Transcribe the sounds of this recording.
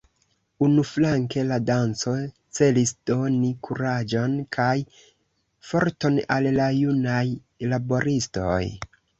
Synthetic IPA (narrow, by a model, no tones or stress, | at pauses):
unuflaŋke̞ladant͡so̞ | t͡se̞lisd̥o̞nikʰuɾad͡ʒo̞nkʰaj | fo̞ɾto̞nalːajunaj | labo̞ɾisto̞̰j